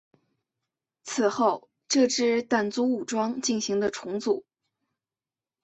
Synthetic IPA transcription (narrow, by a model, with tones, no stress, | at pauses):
t͡sʰɹ̩˨˩xo˥˩ʊ | ʈ͡ʂɤ˥˧ʈ͡ʂɻ̩˥t̪a˥˩nt͡su˥u˨˩ʈ͡ʂwɑ˥ŋt͡ɕi˥˩nɕi˧˥ŋd̪ə˧ʈ͡ʂʰʊ˧˥ŋt͡su˨˩˦